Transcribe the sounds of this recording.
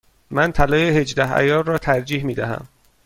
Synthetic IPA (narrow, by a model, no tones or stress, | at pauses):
mænt̪ʰælɒːjehe̞d͡ʒd̪æhæ̰jɒːbrɒːt̪ʰæɾd͡ʒiːhmiːd̪æhæ̰m